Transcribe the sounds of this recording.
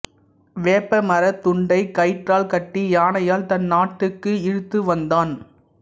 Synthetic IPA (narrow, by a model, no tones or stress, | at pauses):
ʋeːpːɐmɐɾɐt̪ːʊɳɖɐɪkɐɪʈraːlkɐʈːijaːnɐjaːlt̪ɐnːaːʈːɯkːɯɪɻɯt̪ːɯʋɐnd̪aːn